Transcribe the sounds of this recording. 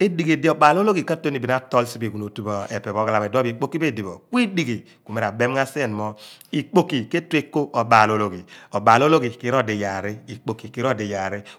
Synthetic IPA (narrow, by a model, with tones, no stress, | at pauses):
e˦di˨ɡe˨di˨o˨ɓa˨lo˦lo˦ɡi˨ka˦to˦ni˨bi˨n˦a˦tɔ˦lsi˦be˨ɡu˨n˨o˨tu˦bɔ˨e˨pɛ˨βɔ˨˦ɡa˦la˨me˨dɔ˦bi˨k͡po˦ki˦be˦˨di˨βɔ̰˨kwi˦di˦˨ɡi˨ | ku˨me˨ɾa˨be˦m˦ŋ˦a˦se˦˨n˨mɔ˦i˨k͡po˨ki˨ke˦te˦ko˦ʔo˨ba˨lo˦lo˦ɡi˨ɔ˨baː˨lo˦lo˦ɡi˨ki˨˦ɾo˦˨de˨ja˨ɾi˦i˨k͡po˨ki˨ki˨˦ɾo˦˨de˨ja˨ɾi˦